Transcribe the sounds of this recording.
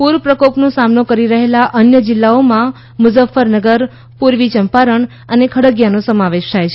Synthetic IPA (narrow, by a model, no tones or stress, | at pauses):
puɾəpɾəkopnõsamnokəɾiɾəɦelaʔənjəd͡ʒɪlːaomã | mʊzəfːəɾnəɡəɾ | puɾʋit͡ʃəmpaɾəɳ | ənekʰəɽəɡjanõsəmaʋeʃt̪ʰajt͡ʃʰe